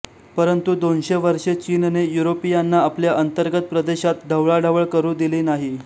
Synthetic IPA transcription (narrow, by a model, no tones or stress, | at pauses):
pəɾənt̪ud̪onɕeʋəɾʂet͡ɕiːnnejuɾopijanːaapljaʔənt̪əɾɡət̪̚pɾəd̪eɕat̪̚d̪ʱəwɭaɖʱaʋəɭkəɾuːd̪iliːnaɦi